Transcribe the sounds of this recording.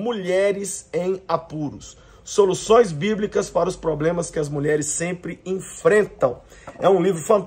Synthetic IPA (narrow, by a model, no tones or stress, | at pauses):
muʎɛɾɪzẽj̃apuɾʊsː | olusõj̃zbiblikɐspaɾɐʊspɾoblẽmɐskɪɐzmuʎɛɾɪsːẽmpɾɪẽfɾẽnt̪ɐ̃w̃ | ɛũlivɾʊfɐ̃nt̪